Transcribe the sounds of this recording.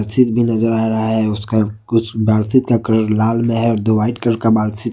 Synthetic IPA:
ɾsɪt̪̚bʱinɐzəɾaːɾɐɦaɦɛʊska | ʊsʰbaːɾsɪt̪kakɾɾɾlaːlmẽɦɛɔːɾd̪oʋaːɪʈkəɾkabaːlsɪt̪

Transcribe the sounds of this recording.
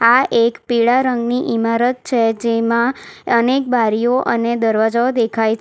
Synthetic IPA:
aʔekpiɭaɾəŋɡniʔimaɾət̪̚t͡ʃʰed͡ʒemãənek̚baɾijoʔəned̪əɾʋad͡ʒaod̪ekʰajt͡ʃʰ

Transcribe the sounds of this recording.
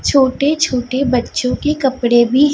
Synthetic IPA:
t͡ʃʰoːʈet͡ʃʰoːʈebɐtːʃõkekɐpɽebʱi

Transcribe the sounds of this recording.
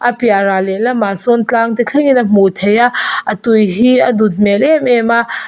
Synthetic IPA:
ʔɐpjaɾalɛlɐmasɔnt͡ɬaŋt̪it͡ɬʰɛŋinɐm̥ut̪ʰɛjaɐt̪ujɦiɐd̪ut̪̚mɛlɛmɛmaʔ

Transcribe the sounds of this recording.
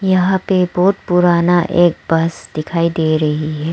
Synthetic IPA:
jɐɦãpebɔːt̪pʊɾaːnaʔeːk̚bɐsd̪ɪkʰaːid̪eːɾɐɦiɦɛː

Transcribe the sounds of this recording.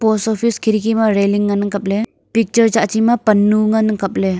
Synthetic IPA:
pɔsɔpʰiskʰiɾikʰimaɾeliŋːanɯŋkɐp̚le | pik̚t͡ʃəɾd͡ʒaʔt͡ʃimapɐnːuŋanɯkɐp̚le

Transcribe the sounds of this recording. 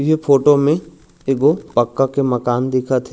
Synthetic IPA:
jefʰoːʈomẽ | eɡopɐkːakemɐkaːnd̪ɪkʰat̪ʰɛ

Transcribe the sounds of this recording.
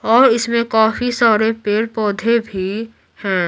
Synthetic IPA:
ɔːɾɪsmẽkaːfisɔːɾepeɾpɔːd̪ʱebʱi | hɛ̃ː

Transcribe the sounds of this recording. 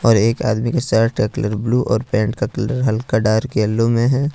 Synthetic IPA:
ɔːɾeːka̰ːd̪mikesaːʈkakləɾbluːʔɔːɾpɛ̃ːɳʈ̚kakləɾɦɐlkaɖaːɾkeəlːõmẽɦɛː

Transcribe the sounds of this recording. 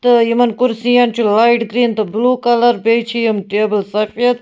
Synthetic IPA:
t̪ɨjimɐnkuɾsijɐnt͡ʃʰulaiʈɡɾiːnt̪ɨbluːkɐlɐɾbeːjt͡ʃʰijɐmʈeːbəlsɐfijɐt̪̚

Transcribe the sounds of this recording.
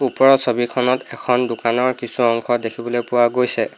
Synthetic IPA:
upɔɹɔsobikʰɔnɔtɛkʰɔndʊkanɔɹkisuɔŋkʰɔdekʰibɔlojpʊwaɡojsɛ

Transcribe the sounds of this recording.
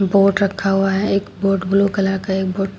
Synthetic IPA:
boːʈɾɐkʰaɦʊaɦɛeːkboːʈɡʊlokɐlakaeːk̚boːʈ

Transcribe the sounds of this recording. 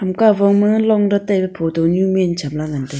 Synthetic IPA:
amkavoŋməŋlɔŋɖ͡ʐat̪epepʰot̪oɲuʔment͡ɕʰamlaŋant̪e

